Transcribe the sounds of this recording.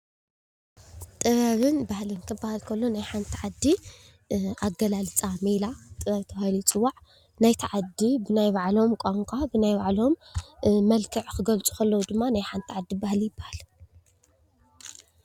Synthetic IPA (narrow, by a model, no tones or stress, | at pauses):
t̪ʼɨβaβɨnbahlɨnkʰɨbːahalkʰɐlːo̞najħant̪ʰiʕad̪ːi | ʔaɡɐlalɨt͡sʼamelat̪ʼɨβɐβt̪ʰɐβahlit͡sʼɨwːaʕ | najt̪ʰiʕad̪ibɨnajβaʕlo̞mkʼaŋkʼabɨnajbaʕlo̞mː | ɐlkʰɨʕkɨɡɐlt͡sʼu̥kʰɐlːɐwd̪ɨmːanajħant̪ʰiʕad̪ːibahlijɪbːahal